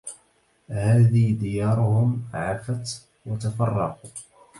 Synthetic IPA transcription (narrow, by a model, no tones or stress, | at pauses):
haːðɪhd̪ɪjɑːɾˤʊhʊmʕafat̪ | wat̪afɑrˤːɑ̰qu